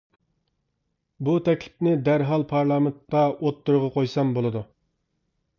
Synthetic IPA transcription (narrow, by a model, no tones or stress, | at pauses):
but̪ʰɛkʲlɪpnɪd̪æɾɦɑlˠpʰɑɾlˠɑːment̪̚qɑot̪ːuɾʊʁɑqʰojsɑmbolˠɨd̪u